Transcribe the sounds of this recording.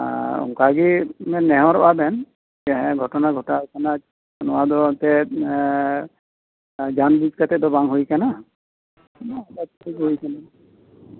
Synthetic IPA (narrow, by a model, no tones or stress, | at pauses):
ṵŋkaɡiɛnɛɦɔɾɔʔabɛn | ɛɦɛ̃ɡʱɔtɔnaɡʱɔtakʰana | nʊwad̪ɔt̪ɛ | d͡ʒanbid͡ʒkat̪ɛd̪ɔbaŋɦojkana | nabat̚iɡɦojkana